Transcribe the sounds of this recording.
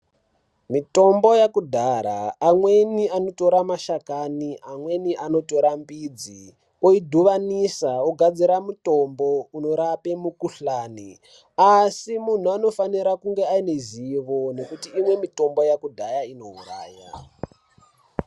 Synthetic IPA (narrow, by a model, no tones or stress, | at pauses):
mito̞mbo̞jakudʱaɾa̰ːmwe̞niano̞to̞ɾamaʃakaniamwe̞niʔano̞to̞ɾambid͡zi | oidʱuʋanisaoɡʱad͡ziɾamuto̞mbo̞uno̞ɾapemukuɬaːnḭ | asimun̤uano̞faniɾakuŋɡe̞aineziʋo̞ne̞kutiːmwe̞mito̞mbo̞jakudʱajaino̞ṵra̰ːja̰